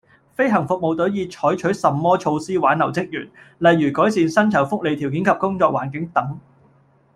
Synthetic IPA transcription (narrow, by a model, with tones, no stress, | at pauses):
fe˥jɦɐ˨˩ŋfʊ˨k̚mo˨˧wt̪ɵ˨˥ɥjiː˧t͡ʃʰɔː˨˥jt͡ʃʰɵ˨˥ɥsɐ˨mːɔː˥t͡ʃʰo˧wsiː˥waː˨˥nlɐ˨˩wt͡sɪ˥k̚jy̰ː˨˩nlɐ˨jːyː˨˩kɔː˨˥jsiː˨nsɐ˥nt͡sʰɐ˨˩wfʊ˥k̚le˨jt̪ʰi˨˩wkiː˨˥nkʰɐ˨p̚kʊ˥ŋt͡sɔː˧k̚waː˨˩nkɪ˨˥ŋt̪ɐ˨˥ŋ